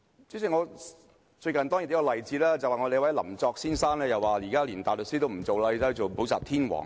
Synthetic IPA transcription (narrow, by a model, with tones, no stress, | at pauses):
t͡si˧˥si˨˩ŋɔː˨˧ | t͡ʃɵ˧ɥkɐ˨nt̪ɔː˥ŋji˨˩˦kɔ˧lɐ˨jt͡siː˨˥laː˥t͡sɐ˨waː˨˩ŋɔ˨˧d̪e˨jwɐ˨˥jlɐ̰˨˩mt͡sɔː˧k̚siː˥nsaː˥nlɛː˥jɐ˨waː˨˩jiː˨˩kaː˥liː˨˩nt̪aː˨jlɵ˨k̚siː˥t̪̬o˥wm̩˨˩t͡so˨wlaː˧jt͡sa˧˥˨t͡so˨wpo˨˥wsaː˨p̚t̪ʰiː˥nwɔ̰ː˨˩ŋ